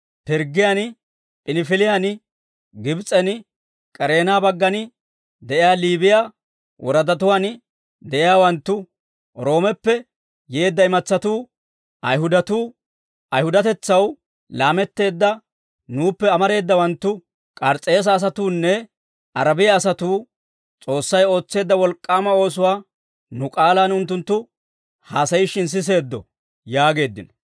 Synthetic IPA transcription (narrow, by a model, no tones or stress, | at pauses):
pɪɾɡɪjan | pʼɪnɪfɪlɪjan | ɡɪbt͡sʼɛn | kʼɛɾe̞ːnaːbɐɡːɐnɪ | d̪ɛʔɪjaːliːbɪja | wʔɔɾɐd̪ɐt̪̬ʊwan | d̪ɛʔɪjaːwɐnt̪ːʊ | ɾo̞ːmɛpːɛ | jeːd̪ːɐɪmɐt͡sːɐt̪uː | ʔɐjɦʊd̪ɐt̪uː | ɐjhʊd̪ɐt̪ɛt͡sːɐw | laːmɛt̪ːe̞ːd̪ːɐ | nuːpːɛɐmɐɾe̞ːd̪ːɐwɐnt̪ːʊ | kʼɐɾt͡sʼːe̞ːs̬ɐːs̬ɐt̪uːnːɛ | ʔɐɾɐbɪjɐːsɐt̪uː | t͡sʼo̞ːsːɐjo̞ːt͡sːe̞ːd̪ːɐwɔlkʼːaːmɐo̞ːs̬ʊwaː | nʊkʼaːlaːnʊnt̪ːʊnt̪ːʊ | haːsɐjɪʃɪns̬ɪs̬e̞ːd̪ːɔ | jaːɡe̞ːd̪ːɪnɔ̥